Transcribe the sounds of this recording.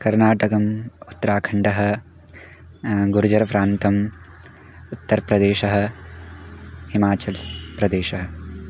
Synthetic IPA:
kɐɾnaːʈɐkɐmut̪ːɾaːkʰɐɳɖɐɦɐ̆ | ɡuɾud͡ʒɐɾɐpɾaːnt̪ɐm | ut̪ːɐɾpɾɐd̪eːʃɐɦɐ̆ | himaːt͡ʃɐlpɾɐd̪eːʃɐɦɐ

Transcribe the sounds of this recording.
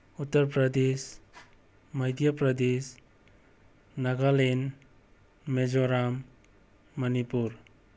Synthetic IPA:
ut̪ːəɾpɾəd̪es | məjd̪japɾəd̪es | naɡalen | med͡ʒoɾamː | ʌnipuɾ

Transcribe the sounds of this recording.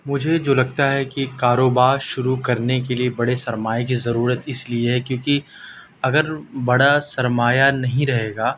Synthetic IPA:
mʊd͡ʒʱed͡ʒoːlɐɡ̚t̪aɦɛkikaːɾoːbaːɾʃʊɾukɐɾnekeliebɐɽesɐɾmaːjek̬izɐɾuːɾət̪ɪslieɦɛkjõːki | ɐɡəɾbɐɽasɐɾmaːjanɐɦĩɾɐɦeːɡaː

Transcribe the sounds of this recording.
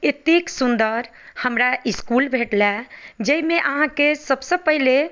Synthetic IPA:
et̪iksund̪əɾ | həmɾaiskulbʱeʈlɛd͡ʒəimeʔəɦãkesəbsəpəɦile

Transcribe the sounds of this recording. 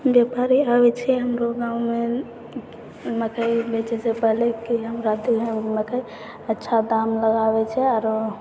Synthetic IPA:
bjepaɾiabɛt͡ʃʰɛɦəmɾoɡãume | məkʰəjbɛt͡ʃɛsepəɦlekiɦəmɾad̪ieməkəi | ətːʃʰad̪amləɡabɛt͡ʃʰɛaɾo

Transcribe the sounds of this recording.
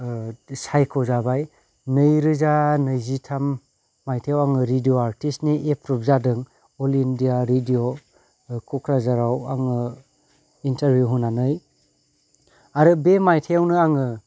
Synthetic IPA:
sajkʰɔzabaj | nɯjɾɯzanɯjzitʰamː | ajtʰejawaŋɯɾidioaɾtistniʔepɾup̚zadɯŋ | ɔlindijaɾidio | kʰɔkʰɾazaɾawaŋɯ | intaɾbjuɦunanɯj | aɾɯbemajtʰeawnɯaŋɯ

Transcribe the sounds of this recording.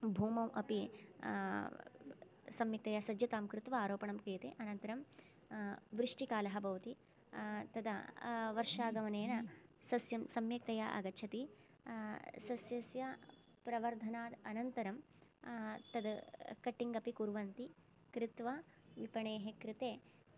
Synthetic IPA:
bʱuːmɐmʔɐ̰pi | sɐmjɐk̚t̪ɐjasɐd͡ʒjɐt̪aːmkɾɪt̪ʋɐaːɾoːpɐɳɐmkɾijɐt̪eʔɐnɐnt̪ɐɾɐm | ʋɾɪʂʈikaːlɐɦɐbɐʋɐt̪i | t̪ɐd̪ɐʋɐɾʂaːɡɐʋɐneːnɐsɐsjɐmsɐmjɐk̚t̪ɐjaʔɐ̰ɡɐt͡ʃʰɐt̪i | sɐsjɐsjɐ | pɾɐʋɐɾd̪ʱɐnaːd̪ɐnɐnt̪ɐɾɐm | t̪ɐd̪kɐʈːiŋɡɐpikuɾʋɐnt̪i | kɾɪt̪ʋɐʋipɐɳeːɦekɾɪt̪eː

